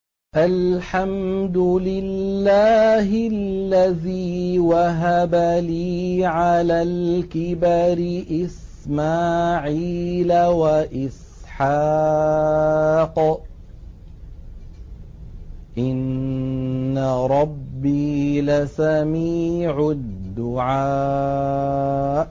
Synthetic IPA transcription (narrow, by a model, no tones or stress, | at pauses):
ʔalħamd̪ʊlɪlːaːɦɪlːaðiːwaɦabaliːʕalaːlkɪbaɾɪʔɪs | maːʕiːlawaʔɪs | ħaː | q | ʔɪnː | aɾˤɑbːilasamiːʕʊd̪ːʊʕaː